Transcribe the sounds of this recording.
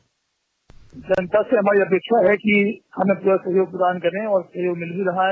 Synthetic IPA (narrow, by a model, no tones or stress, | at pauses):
d͡ʒɐnt̪aseɦɐmaːɾiɐpeːkʃaɦɛkihɐmẽpuːɾasɐɦjoːɡ̚pʊɾaːnkɐɾẽɔːɾsɐɦjoːɡmɪlbʱiɾɐɦaẽ